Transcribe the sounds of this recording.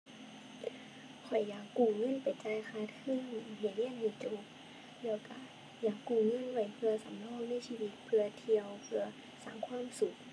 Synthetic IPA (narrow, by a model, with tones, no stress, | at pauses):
kʰɔ˨˩jːaː˨˩kːuː˧˩ŋɤ˧˥˨npa˨˩jt͡ɕaː˧˥˨jxʰaː˧˩t̪̚kʰɯː˧˥˩ŋhiː˧˩li˧˥˨ə˨nhi˧˩t͡ɕu˧˦k | lɛː˧˩wka˧˩ | jaː˨˩kːuː˧˩ŋɤ˧˥˨nwa˧˩jpʰɯ˧ɐsa˨˦mnɔː˧˥˨ŋna˧˥˨jsiː˧˩˨wi˧˦t̪̚pʰɯ˧ɐt̪ʰi˧əwpʰɯ˧ɐ | saː˧˩ŋkʰwaː˧˥˨msu˨˩k̚